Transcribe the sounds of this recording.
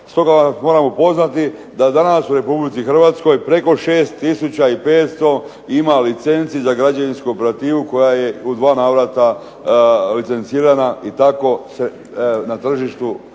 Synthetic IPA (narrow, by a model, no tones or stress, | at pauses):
st̪o̞ɡamo̞ɾamopo̞znat̪i | d̪ad̪anasuɾe̞publit̪sixr̩ʋat̪sko̞jpɾe̞ko̞ʃe̞ːst̪ːisut͡ɕaipe̞ːt̪st̪o̞ | imalit̪se̞nt̪sizaɡɾad͡ʑaʋinskuope̞ɾat̪iːʋuko̞jaje̞ud̪ʋaːnaːʋɾat̪a | lit̪se̞nt̪siːɾanait̪ako̞se | nat̪r̩ʒiʃt̪u